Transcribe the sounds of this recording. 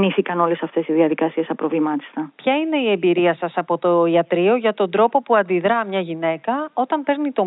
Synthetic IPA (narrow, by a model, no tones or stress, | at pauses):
niθikɐno̞le̞sɐft̪e̞siðiɐðikɐsie̞sɐpɾo̞vlimɐt̪i̥st̪ɐpçɐine̞ie̞mbiɾiɐsɐsɐpo̞t̪o̞iɐt̪ɾio̞ʝɐt̪o̞nd̪ɾo̞po̞puɐnd̪iðɾɐmɲɐʝine̞kɐo̞t̪ɐmpe̞ɾnit̪o̞